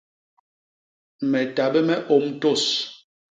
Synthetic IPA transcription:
mɛ˨ta˨bɛ˦mɛ˦ʔo˨˦m˦to˦˨s

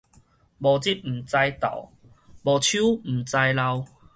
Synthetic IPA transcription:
bɔ˨˩t͡ɕi˦˥t̚m̩˨˩t͡sa˧jt̪a̰˨˩˦ | bɔ˨˩t͡ɕʰju˦m̩˨˩t͡sa˧jla˧w

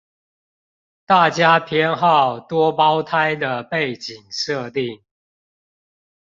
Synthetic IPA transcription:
t̪a˥˨t͡ɕja˦pʰjɛ˦nxɑ˥˨ʊt̪wɔ˦pɑ˦ʊt̪ʰa˦ɪd̪ə˨pe˥˨ɪt͡ɕi˨˩ŋʂɤ˥˧˨t̪i˥˨˩ŋ

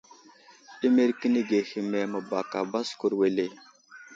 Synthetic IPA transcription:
i˦me˦ɾki˦ni˦ɡe˨hi˨me˨mə˨ba˨ka̰˨ba˦sku˨ɾwe˨le˨

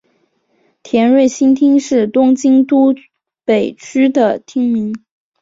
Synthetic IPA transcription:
t̪ʰjɛ˧˥nɻwe˥˩ɪɕi˥nt̪ʰi˥ŋʂɻ̩˥˩t̪ʊ˥ŋt͡ɕi˥ŋt̪u˥ | pe˨˩ɪt͡ɕʰy˥d̪ə˨t̪ʰi˥ŋmi˧˥ŋ

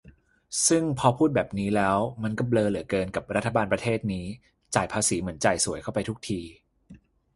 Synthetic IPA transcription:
sɯ˥˩ŋpʰɔ˧pʰuː˥˩t̪̚bɛː˨˩p̚niː˦˥lɛː˦˥wma˧nkɔ˥˩pblɤː˧lɯ˩˦əkɤː˧nka˨˩p̚ɾa˦˥t̪ʰːa˧baː˧npɾa˧t̪ʰeː˥˩t̪̚niː˦˥ | t͡ɕaː˨˩jpʰaː˧siː˩˦mɯ˩˦ənt͡ɕa˨˩jsu˨˩˦jkʰa˥˩wpa˧jt̪ʰu˦˥k̚t̪ʰiː˧

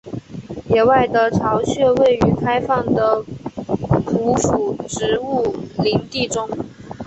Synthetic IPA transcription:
jɛ˨˩wa˥˩ɪd̪ə˧ʈ͡ʂʰɑ˧˥ʊɕɥɛ˥˧we˥˩ɪy˧˥kʰa˥ɪfɑ˥˩ŋd̪ə˩ | ku˧˥fu˨˩ʈ͡ʂɻ̩˧˥u˥˩li˧˥ŋt̪i˥˩ʈ͡ʂʊ˥ŋ

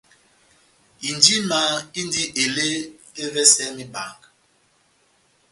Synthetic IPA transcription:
i˨ndi˦ma˨˦˨i˦ndi˦ʔe˨le˦e˦vɛ˦sɛ˦mi˦ba̰˨ŋk

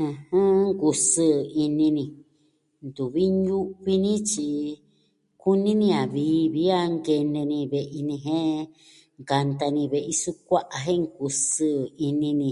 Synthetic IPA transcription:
ɨ̃˧hɨ̃˦ŋku˧sɨ˦i˧nĩ˧nĩ˧ | nd̪u˨βi˦ɲũ˦ʔβi˦nĩ˦t͡ʃi˧ | ku˦nĩ˦nĩ˧a˨βiː˨˦βi˦a˦ŋɡe˧nẽ˧nĩ˧βe˧ʔi˧nĩ˧ɦẽ˦ | ŋka˧nt̪a˧nĩ˧βe˧ʔi˧su˦kʷa˦ʔa˨ɦẽ˦ŋku˧sɨ˧˦˨i˧nĩ˧nĩ˧

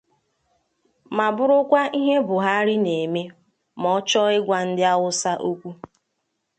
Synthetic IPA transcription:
ma˨bʊ˦ɾʊ˦kʷa˦i˦ɦe˦bʊ˨ɦa˦ɾɪ˦ne˨me˦ | mɔ˨ɔ˦t͡ʃɔ˦ɪ˦ɡʷa˨n̩˦dɪ˦a˦wʊ˦sa˦ʔo˦kʷu˦

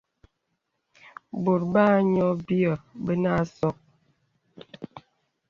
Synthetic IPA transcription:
bo˨ɾba˦ɲɔ˦bi˦ə˨bə˦na˦˨sɔ˦k̚

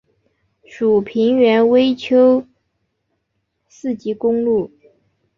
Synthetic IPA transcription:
ʂu˨˩pʰi˧˥ŋɥɛ˧˥nwe˥ɪt͡ɕʰjo˥ʊ | sɹ̩˥˩t͡ɕi˧˥kʊ˥ŋlu˥˩

